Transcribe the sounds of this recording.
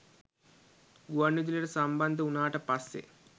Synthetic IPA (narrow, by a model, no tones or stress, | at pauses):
ɡuʋɐnːid͡ʒileɽɐsɐmbɐnd̪ʱɐunaːʈɐpɐsḛ